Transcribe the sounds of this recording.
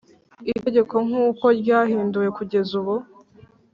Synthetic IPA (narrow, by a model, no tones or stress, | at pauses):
iteɟe̞ko̞ŋ̥uːko̞ɾɟaːhiːnduje̞kuɟe̞zuβu